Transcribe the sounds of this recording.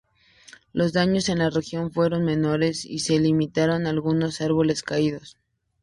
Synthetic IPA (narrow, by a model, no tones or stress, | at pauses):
lo̞zðaɲo̞se̞nlare̞xjo̞ɱfwe̞ɾo̞nme̞no̞ɾe̞sḭse̞limit̪aɾo̞nalɣuno̞saɾβo̞le̞skaiðo̞s